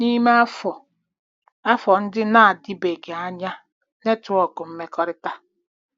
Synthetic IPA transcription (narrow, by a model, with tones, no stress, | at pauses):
ni˦me˦a˦fɔ˨ | a˦fɔ˨n̩˦dɪ˦na˦a˨dɪ˦be˨ɡe˨a˦ɲa˦ | ne˦tʊ˨ɔ˨ɡʊ˨m̩˦me˦kɔ˦ɾɪ˦ta˦